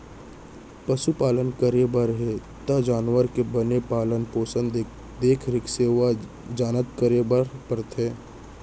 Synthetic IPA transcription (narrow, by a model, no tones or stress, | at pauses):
pɐʃupaːlənkəɾebəɾɦe | t̪ɐd͡ʒaːnʋəɾkebənepaːlənpoːsə̃nd̪ | d̪eːkʰɾɪkseːʋa | d͡ʒaːnət̪̚kəɾebəɾpəɾt̪ʰẽː